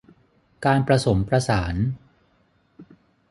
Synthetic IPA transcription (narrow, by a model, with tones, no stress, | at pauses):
kaː˧npɾa˧so˩˦mpɾa˧saː˩˦n